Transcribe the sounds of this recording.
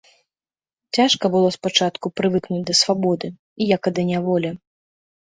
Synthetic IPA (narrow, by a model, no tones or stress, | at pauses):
t͡sʲaʂkɐbɨlˠɔspat͡ʂat̪kupɾɨvɨknud͡zʲd̪ɐsvabɔd̪ɨ | ijɐkɐd̪ɐnʲavɔlʲɛ